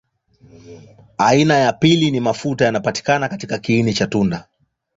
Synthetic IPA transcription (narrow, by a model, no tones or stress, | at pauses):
ainajapilinimafutajanapati̥kanakatikakiinit͡ʃatunda